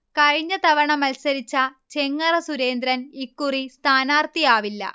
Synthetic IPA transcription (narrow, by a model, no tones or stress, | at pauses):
kɐɻiɲːɐt̪ɐʋɐɳɐmɐlsɐɾit͡ɕːɐt͡ɕe̞ŋːɐrɐsuɾe̞ːnd̪ɾɐnikːurist̪ʰaːnaːrt̪ijaːʋilːɐ̰